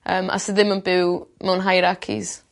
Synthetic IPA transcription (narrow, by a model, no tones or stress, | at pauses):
əːmʔa̰sdðɪmənbɪwmɛwnɦajɾakʰḭz